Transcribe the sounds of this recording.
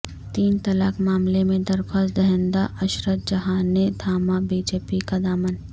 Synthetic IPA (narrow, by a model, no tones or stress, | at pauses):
t̪iːnt̪ɐlaːkmaːmlemẽd̪ɐɾxaːsd̪ɛɦə̃nd̪aʔɐʃɾət̪̚d͡ʒɐɦaːned̪ʰʱaːmabiːd͡ʒeːpikad̪aːmən